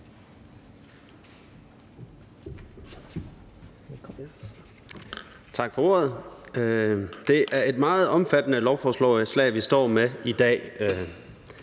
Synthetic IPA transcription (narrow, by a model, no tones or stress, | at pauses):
t͡sʰɑ̈ɡ̥fɒ̽o̝̰ːɐð̩ˠ | d̥e̝ʔæɐe̝d̥mɑ̈ːð̩ˠɒ̽mfæd̥ənəlɒʊfɒːslɔ̰̽slɛ̰ɪʋisd̥ɒ̰ːmeid̥ɛ̰ː